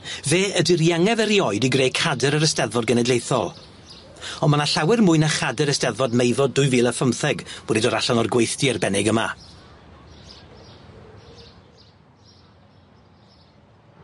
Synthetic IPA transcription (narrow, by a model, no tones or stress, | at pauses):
veːədɪrjaŋɛvəɾiɔɨdiɡreːjkʰadɛɾəɾəstɛðvɔd̚ɡənɛdlejθɔ̰lˠ | ɔnmanaɬawɛrmʊɨnaχadɛɾəstɛðvɔdmejvɔdʊɨviːlˠəfəmθɛɡwɛdidoːɾaɬanɔrɡwejθtiɛrbɛnɪɡəma̰